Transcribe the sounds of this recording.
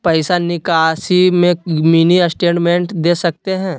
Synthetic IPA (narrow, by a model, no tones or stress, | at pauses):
pɐɪsanɪkaːsimẽminiɐsʈeːɳʈmẽɳʈd̪eːsɐk̚t̪eɦɛ̃ː